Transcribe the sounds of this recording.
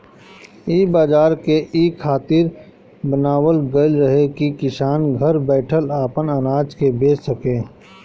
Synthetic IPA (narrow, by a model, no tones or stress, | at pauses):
iːbaːd͡ʒaːɾkeʔiːkʰːaːt̪iɾ | bənaːwəlɡəlɾəɦekikɪsaːnɡʱəɾbɛːʈʰəlaːpənənaːd͡ʒkebeːt͡ʃsəkẽː